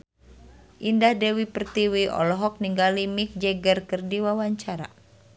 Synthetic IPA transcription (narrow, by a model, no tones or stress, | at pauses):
ʔindahdɛwipərt̪iwiʔɔ̰lɔɦɔk̚niŋɡalimik̚d͡ʒɛɡərkərdiwawaɲt͡ʃaɾa̰